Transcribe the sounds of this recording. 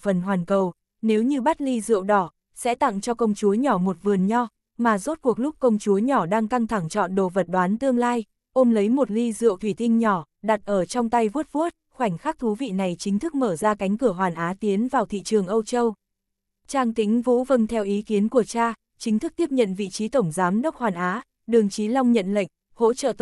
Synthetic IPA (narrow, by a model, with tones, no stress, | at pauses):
fə˨˩nɦwaː˨˩nkə˨˩w | ne˨˦wɲɨ˧ɓa˦˥t̚li˧zɨ̰˧˨əwɗɔ˧˩ | sɛ̰˧˥t̪a̰˧˨ŋt͡ɕɔ˧kə˧wŋ͡mt͡ɕu˨˦əɲɔ˧˩mo˨˩t̚vɨ˨˩ənɲɔ˧ | maː˨˩zo˦˥t̚ku˨˩ək̚lʊ˦˥k͡p̚kə˧wŋ͡mt͡ɕu˨˦əɲɔ˧˩ɗaː˧ŋka˧ŋt̪ʰa˧˩ŋt͡ɕɔ̰˧˨nɗo̰˧˨˩və˨˩t̚ɗwaː˨˦nt̪ɨ˧əŋlaː˧j | ʔo˧mlə˨˦jmo˨˩t̚li˧zɨ̰˧˨əwt̪ʰwi˧˩t̪ï˧ŋ̟ɲɔ˧˩ | ɗa˨˩t̚ʔəː˧˩t͡ɕɔ˧wŋ͡mt̪a˧jvu˦˥ət̚vu˦˥ət̚xwa˧˩jŋ̟xaː˦˥k̚t̪ʰu˨˦vḭ˧˨na˨˩jt͡ɕï˨˦ŋ̟t̪ʰɨ˦˥k̚məː˧˩zaː˧ka˨˦jŋ̟kɨ˧˩əɦwaː˨˩nʔaː˨˦t̪i˨˦ənvaː˨˩wt̪ʰḭ˧˨t͡ɕɨ˨˩əŋʔə˧wt͡ɕə˧w | t͡ɕaː˧ŋt̪i˨˦ŋ̟vṵ˧˥və˧nt̪ʰɛ˧wʔi˨˦ki˨˦ənku˧˩ət͡ɕaː˧ | t͡ɕï˨˦ŋ̟t̪ʰɨ˦˥k̚t̪i˦˥əp̚ɲə̰˧˨nvḭ˧˨t͡ɕi˨˦t̪ə˧˩wŋ͡mzaː˨˦mɗə˦˥wk͡p̚hwaː˨˩nʔaː˨˦ | ɗɨ˨˩əŋt͡ɕi˨˦lɔ˧wŋ͡mɲə̰˧˨nlə̰˧˨jŋ̟ | ho̰˧˥t͡ɕə̰˧˨t̪